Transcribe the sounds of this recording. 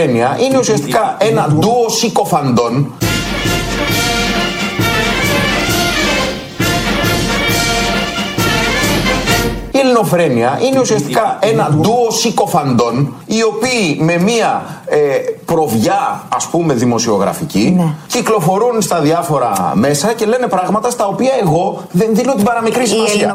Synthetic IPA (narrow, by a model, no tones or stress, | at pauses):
eniɐʔine̞usiɐst̪ikɐe̞nɐd̪uosiko̞fɐnd̪o̞n | ilino̞fɾe̞niɐʔine̞usiɐst̪ikɐe̞nɐd̪uosiko̞fɐnd̪o̞n | io̞piːme̞miɐepɾo̞vʝɐːspume̞ðimo̞sio̞ɣɾɐ̰ficinciklo̞fo̞ɾunst̪ɐðiɐfo̞ɾɐ̰me̞sɐce̞le̞ne̞pɾɐɣmɐt̪ɐst̪ɐo̞piɐe̞ɣo̞ | ðe̞nðino̞t̪ibɐɾɐmikɾisimɐsiɐ̰